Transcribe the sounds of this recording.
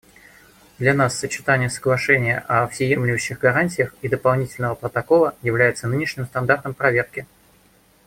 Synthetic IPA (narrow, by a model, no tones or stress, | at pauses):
d̪lʲɐnasːət͡ɕɪ̥t̪anʲɪjəsəɡlˠɐʂɛnʲɪjə̰ʔɐɐpsʲɪjemlʲɪvʊɕːɪɣɡɐɾanʲtʲɪjəxid̪əpɐlˠnʲitʲɪlʲnəvəpɾət̪ɐkolˠəjɪvlʲæjɪt̪sənɨnʲɪʂnʲɪmst̪ɐnd̪art̪əmpɾɐvʲe̞rkʲɪ